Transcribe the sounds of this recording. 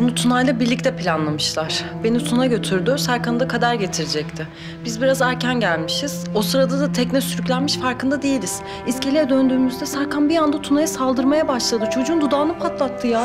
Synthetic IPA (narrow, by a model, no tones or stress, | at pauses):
unut̪ʰunajlˠabiɾlʲic̚t̪ʰɛpʰilʲanlˠamɯʃlˠaɾ̥be̞nit̪ʰunaɟø̞t̪ʰyɾd̪ysaɾkʰand̪akʰad̪aɾɟe̞t̪ʰiɾed͡ʒɛct̪ʰɪ | b̥izbiɾazæɾcʰænɟælʲmiʃiz̥o̞sɯɾad̪ad̪at̪ʰɛcnɛsyɾycʲlʲænmiʃfaɾkɯnd̪ad̪ejilʲiz̥ | isce̞lʲijɛd̪ønd̪yːmyzd̪ɛsaɾkanbijand̪at̪ʰunajasalˠd̪ɯɾmajabaʃlˠad̪ɯt͡ʃʰod͡ʒuːnd̪ud̪aːnɯpʰat̪lˠat̪ʰːɯja